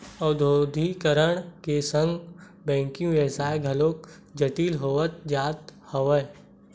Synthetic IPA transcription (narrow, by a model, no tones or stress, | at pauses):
ɐd̪ʱoːd̪ʱikəɾəɽ̃kesə̃ŋɡ | bɛ̃ːŋkijũʋjəsaːeɡʱəloːk̚ | d͡ʒəʈiːlɦoːʋət̪̚d͡ʒaːt̪hɐʋə